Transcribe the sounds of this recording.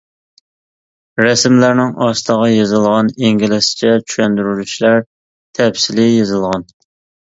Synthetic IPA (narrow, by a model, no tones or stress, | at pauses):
ɾɛsmlæɾnɪŋʔɑst̪əʁɑjezɨlˠʁɑniŋɡʲilɪsɪ̥t͡ʃʰɛt͡ʃʰy̥ʃɛnd̪yɾylyʃlæɾ | t̪ʰɛpsɪlɪjezɨlˠʁɑn